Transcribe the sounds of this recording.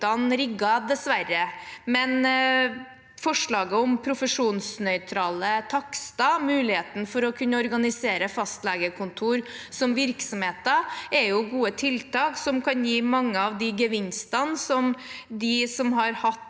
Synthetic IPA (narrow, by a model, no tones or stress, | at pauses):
ɑnɾɪɡːɑd̪ɛsʋæɾːəmɛn | fɔʂɭɑːɡəɔmpʰɾʊfəʂuːnsnœʏt̪ʰɾɑːlət̪ʰɑkst̪ɑmʉːlɪheːt̪n̩fɔɾɔkʰʉnːəɔɾɡɑnɪseːɾəfɑst̪lɛːɡəkʰʊnt̪ʰuːɾsɔmʋɪɾksɔmheːt̪əɛɾjʊɡuːət̪ʰɪlt̪ʰɑːksɔmkʰɑnjiːmɑŋːəɑʋd̪ɪɡəʋɪnst̪ɑnsɔmd̪ɪsɔmɦɑɾhɑt̪ː